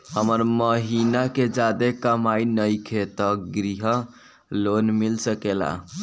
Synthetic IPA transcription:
həməɾməɦinaked͡ʒad̪ekəmainəjkʰet̪əɡɾiɦə | lonmilsəkela̰

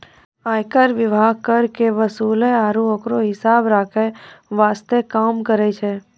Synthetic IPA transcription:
ajkəɾʋɪbʱaɡ̚kəɾkeʋəsuleaːɾũokɾoɦɪsabɾakʰeʋast̪ekamkəɾet͡ʃʰe

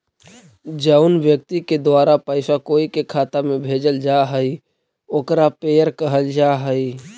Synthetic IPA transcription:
d͡ʒəʊnʋjək̚t̪iked̪waːɾapəɪsakoːikekʰaːt̪amẽbʱeːd͡ʒəld͡ʒaɦəi | oːkɾapeːjəɾkəɦəld͡ʒaɦəi

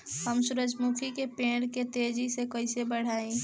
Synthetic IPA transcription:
ɦəmsʊɾəd͡ʒmukʰikepẽːɽket̪eːd͡ʒisekɐɪsebəɽ̤aːẽ

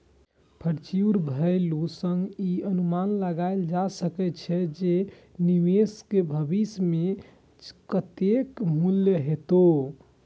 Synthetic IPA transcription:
pʰəɽt͡ʃiɾbʱəjlusəŋɡiənumanləɡaɪld͡ʒasəkɛt͡ʃʰɛd͡ʒe | niʋeskebʱəbisme | kət̪ekmuljəɦet̪o

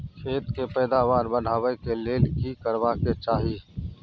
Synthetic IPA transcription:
kʰeːt̪kepɛːd̪aːʋaːɾbən̤ʱaːʋəkeleːlkikəɾʋaːket͡ʃaːɦi

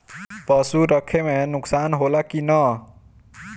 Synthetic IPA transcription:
pʌsuɾʌkʰemenuksanɦolakinʌ

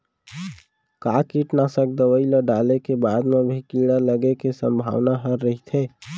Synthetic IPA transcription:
kakiʈnasək̚d̪əwəiləɖalekebad̪mebʱikiɽaləɡekesə̃mbʱa̰ʋnaɦəɾːəɦit̪ʰe

